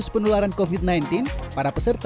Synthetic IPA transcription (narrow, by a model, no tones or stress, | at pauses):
ʊspənulaɾankovit̪̚najnt̪inpaɾapəsərt̪